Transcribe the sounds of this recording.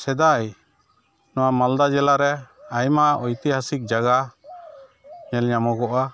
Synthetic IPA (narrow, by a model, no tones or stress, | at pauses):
sɛd̪aj | nɔwamald̪ad͡ʒɛlaɾɛajmaʔɔjt̪ɛɦasik̚d͡ʒaɡa | ɲɛlɲamɔɡɔʔa